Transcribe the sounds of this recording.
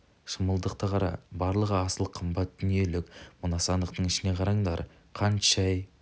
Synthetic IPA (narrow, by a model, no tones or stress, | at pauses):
ʃəməlˠd̪əq̚t̪əqʰɑɾɑ̰bɑɾlˠəʁəɑsəlˠqʰəmbɑt̪̚d̪̥ʏnije̞lɪkmʊnɑsɑnd̪əq̚t̪əɴɪʃɪne̞qʰɑɾɑɴd̪ɑ̰ɾ | qʰɑnʃɑj